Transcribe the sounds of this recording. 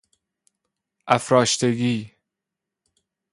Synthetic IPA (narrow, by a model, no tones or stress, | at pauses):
ʔæfɾɒːʃt̪ʰeɡiː